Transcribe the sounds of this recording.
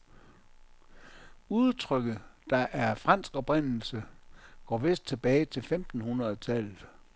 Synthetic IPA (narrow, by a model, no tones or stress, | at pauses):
uðˠt͡sʰʁœɡ̥ð̩ˠd̥ɑ̈ʔæɐfʁɑ̈n̰sɡ̥ɒ̽b̥ʁen̰l̩səɡ̥ɒ̰ːʋe̝sd̥̚t͡sʰe̝b̥ɛːɪt͡sʰe̝lfemd̥n̩hunʁɐðˠt͡sʰælð̩ˠ